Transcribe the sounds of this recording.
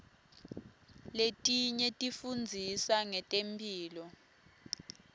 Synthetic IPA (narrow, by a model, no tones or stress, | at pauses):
letʼiɲɛtʼifund͡zʱisaŋɛtʼempʰʼiːlɔ